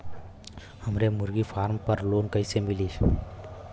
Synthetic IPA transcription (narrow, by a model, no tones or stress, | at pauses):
həmɾemʊɾɡipʰaːɾmpəɾloːnkəjsemilis